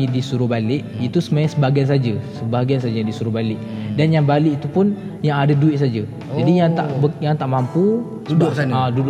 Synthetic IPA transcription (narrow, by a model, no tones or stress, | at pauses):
idisuɾubalɪʔit̪usəmajasəbaɡians̬ad͡ʒasəbaɡiansad͡ʒadisuɾubalɪʔdanjaŋbalɪʔit̪upʊnjaŋadaduɪʔsad͡ʒa | adijaŋt̪a̰ʔbəjaŋt̪aʔmampu | udadud